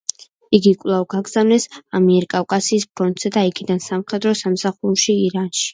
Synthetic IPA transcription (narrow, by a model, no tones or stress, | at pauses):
iɡikʼvlˠavɡaɡz̥avnɛsamiɛɾkʼavkʼasiːspʰɾɔnt̪ʼz̥ɛd̪aiɡʰid̪ansamχɛd̪ɾɔsamsaχuɾʃiːɾanʃi̥